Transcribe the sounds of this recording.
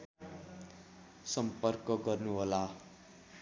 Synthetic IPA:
sʌmpʌrkʌɡʌrnuɦola

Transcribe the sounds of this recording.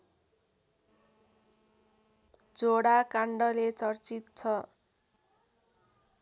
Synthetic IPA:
d͡zoɽakaɳɖʌlet͡sʌrt͡sit̪̚t͡sʰʌ

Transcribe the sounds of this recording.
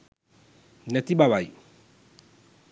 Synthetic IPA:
nɛt̪iɓaβai

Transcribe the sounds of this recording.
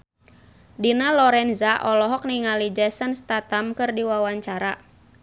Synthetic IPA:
dinalɔɾɛnzaʔɔlɔɦɔk̚niŋalid͡ʒɛsənst̪at̪amkɨrdiwawaɲt͡ʃaɾa

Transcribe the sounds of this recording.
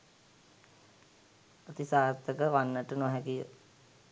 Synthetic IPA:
at̪isaːɾt̪əkəʋanːəʈənoɦɛkijə̰

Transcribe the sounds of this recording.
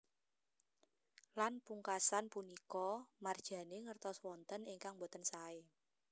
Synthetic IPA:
lanpuŋkasanpunikɔmard̥ʒ̥ä̤neŋərt̪ɔswɔnt̪əniŋkaŋbot̪ənsae

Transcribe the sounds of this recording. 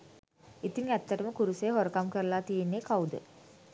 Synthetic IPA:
it̪iŋæt̪ːəʈəməkuɾuseːɦoɾəkamkəɾəlaːt̪ijenːeːkawd̪ə̰

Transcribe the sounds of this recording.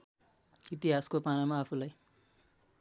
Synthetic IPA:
it̪iɦaskopanamaːpʰulaj

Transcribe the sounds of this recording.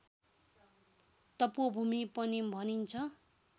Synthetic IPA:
t̪ʌpobʱumipʌnibʱʌnint͡sʰʌ

